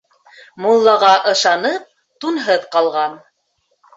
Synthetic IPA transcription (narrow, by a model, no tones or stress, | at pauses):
mulˠːɑʁɑʔɤ̆ʃɑnɤp̚ | t̪unɦɤðqɑlˠʁɑn